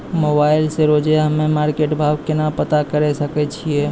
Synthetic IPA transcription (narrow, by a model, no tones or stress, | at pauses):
moːbaːɪlseɾoːd͡ʒjaɦɐmẽmaːɾkeːʈbʱaːʋkenapət̪akəɾesəkɛt͡ʃʰiɛː